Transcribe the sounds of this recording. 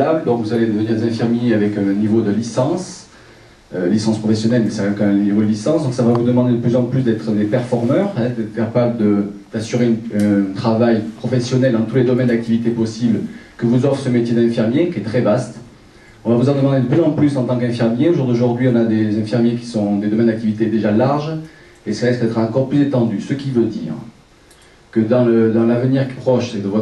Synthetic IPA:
abld̪ɔ̃kvuzaled̪əniʁd̪ezɛ̃fiʁmjeavɛkɛ̃nivod̪əlisɑ̃s | ølisɑ̃spχɔfɛsjɔnɛlmɛsɛʁɛkɛ̃nivod̪əlisɑ̃sd̪ɔ̃ŋksavavud̪əmɑ̃d̪ed̪əplyzɑ̃plys̬d̪ɛt̪χəd̪epɛʁfɔʁmœʁɛ̃d̪ɛt̪χə̥kapabləd̪əd̪̥asyʁeɛ̃nɛ̃t̪χavajpχɔfɛsjɔnɛld̪ɑ̃t̪uled̪ɔmɛnd̪ak̚t̪ivit̪epɔsiblkəvuzɔfχəsəmet̪jed̪ɛ̃fiʁmjekʲiɛt̪χɛvast̪ | ɔ̃vavuzɑ̃d̪əmɑ̃d̪ed̪əplyzɑ̃plysɑ̃t̪ɑ̃kɛ̃fiʁmjeoʒuʁd̪oʒuʁd̪ɥiɔ̃nad̪ezɛ̃fiʁmjek̬ʲi̥sɔ̃d̪ed̪ɔmɛnd̪akt̪ivit̪ed̪eʒalaʁʒ | esəlaʁiskəd̪ɛt̪χɑ̃kɔʁplyzet̪ɑ̃d̪ysəkʲivød̪ḭːʁ | kəd̪ɑ̃ləd̪ɑ̃lavəniʁki̥pχɔʃed̪əvwa

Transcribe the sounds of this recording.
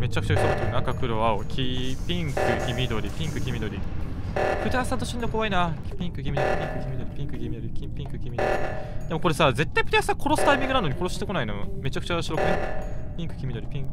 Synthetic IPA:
me̞t͡ɕakɯ̟̥t͡ɕakt̪omat̪oɯnakakɯ̟ɾo̞aokʲʰipʲĩŋkɯ̟kʲimʲid̪o̞ɾʲipʲĩŋkɯ̟kʲimʲid̪o̞ɾʲi | pɯ̟t̪asãt̪̬oɕiɲinokoβainapʲĩŋkɯ̟k̬ʲimʲid̪oɾʲipʲĩŋkɯ̟kʲimʲid̪oɾʲipʲĩŋkɯ̟kʲimʲid̪oɾikʲĩpʲĩŋkɯ̟kʲimʲid̪o̰ɾʲḭd̪̥e̞moko̞ɾe̞saze̞t̪ːaipɯ̟̥t̪esãkʰo̞ɾo̞sɨ̥t̪aimʲĩŋɡɯ̟nanoɲ̟iko̞ɾo̞sɨi̥t̪eko̞nainome̞t͡ɕakɯ̟t͡ɕaɕiɾokɯ̟epʲĩŋkɯ̟̥kʲimʲid̪o̞ɾipʲĩŋk

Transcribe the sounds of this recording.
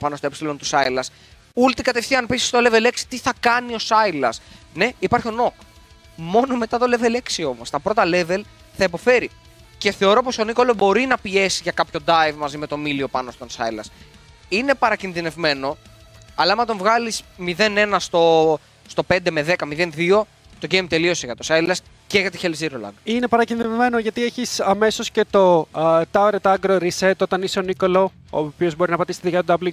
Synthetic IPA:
pɐno̞st̪oepsilo̞nt̪usɐjlɐs | ult̪ikɐt̪efθiɐne̞pisi̥st̪o̞le̞ve̞leksi̥t̪iθɐkɐnio̞sɐjlɐsne̞ipɐɾçio̞no̞k | mo̞no̞me̞t̪ɐt̪o̞le̞ve̞le̞ksio̞mo̞st̪ɐpɾo̞t̪ɐle̞ve̞l | θɐipo̞fe̞ɾi | ce̞θe̞o̞ɾo̞po̞so̞niko̞lobo̞ɾinɐpie̞siʝɐkɐpço̞d̪ɐjvmɐzime̞t̪o̞milio̞pɐno̞st̪o̞nsɐ̰jlɐ̰s | ine̞pɐɾɐcinðine̞vme̞no̞ɐlɐɐmɐt̪̬o̞ɱvɣɐlismiðe̞ne̞nɐst̪o̞ | st̪o̞pe̞nd̪e̞me̞ðe̞kɐmiðe̞nðio̞ | t̪o̞ʝejmt̪e̞lio̞seʝɐt̪osɐjlɐs | ceʝɐt̪içelziɾolɐ̰ŋɡine̞pɐɾɐcinðinevme̞noʝɐt̪ieçisɐme̞so̞sce̞t̪o̞t̪ɐoɾet̪ɐɡɾoɾiset̪ot̪ɐniseoniko̞lo | o̰pio̞zbo̞ɾinɐpɐt̪ist̪ðuʝɐt̪ud̪ɐbli

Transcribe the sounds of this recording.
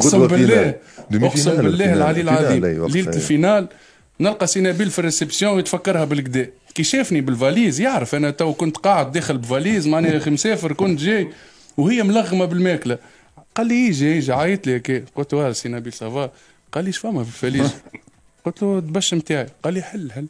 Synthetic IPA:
qsbɪlːæːhwʊsəmbɪlːɛːhəlʕaliːlʕadiːliːlfinaːl | nɪlqɑsinæbiːlfirːesepsjɔ̃ːwjət̪fækːɑɾˤhæbɪlɡd̪ɛːkiʃæːfnibɪlvæliːzjaʕɾəfʔænɛt̪æwkʊnt̪qɑːʕəd̪̚ːæːxɪlbɪvæliːzmaʕnɛæximsɛːfəɾkʊnt̪ʒɛːj | whɪjːæmlɑɣːmabɪlmæːklæ | qɑlːihiʒiiʒiʕajət̪lihækɛqʊt̪wɑɾsinæbiːlsˤɑvɑː | qɑːlːiʃfæmːæfilfæliːz | qʊlt̪lut̪bæʃːmt̪aːʕiqɑːlːiħɪlːħɪlː

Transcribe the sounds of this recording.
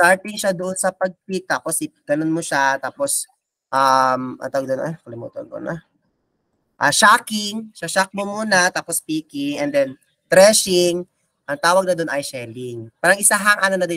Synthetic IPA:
t̪aɹpɪŋʃad̪ʊʔonsɐpɐɡ̚kwik̚t̪aːposɪɡ̥ɐnonmoʃat̪aːpos | ʔamʔɐ̰nt̪awɐɡd̪onʔɐnkɐlɪmṵːt̪olko̰nɐ | ʔaʃaːkɪŋʃaʃak̚momuːnɐt̪aːpospiːkɪŋʔɛnd̪ɛn | t̪ɾɛʃɪŋ | ʔɐŋt̪aːwɐɡ̚nɐd̪onʔɐjʃɛlɪŋpaːɾɐŋʔɪsaɦaŋʔanɐnɐd̪ɪ

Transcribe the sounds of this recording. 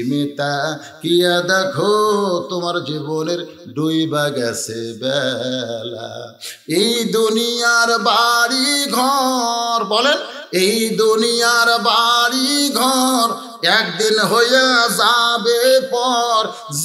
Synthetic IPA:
imet̪a | kiad̪ɛkʰot̪omaɾd͡ʑiboneɾ | ɖujbaɡɛsʰebɛla̰ | ejd̪unijaɾbaɾiɡʱɔɾbɔlen | ejd̪unijaɾbaɾiɡʱɔɾ | ɛkd̪inɦojazabepɔɾ | z

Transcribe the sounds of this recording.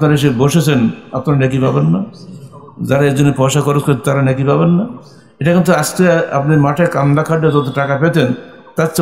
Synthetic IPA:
pnaɾeʃ̬eboʃet͡sʰenapnaɾanɛk̬ipabenːa | d͡ʑaɾaed͡ʑonːepɔʃakɔɾeskʰot̪aɾanɛk̬ipabenːa | eʈakint̪uast̪eaa̰pnimaʈʰekand̪akʰaɖːed͡ʒɔt̪̬oʈakapet̪ʰen | t̪at̪ːs

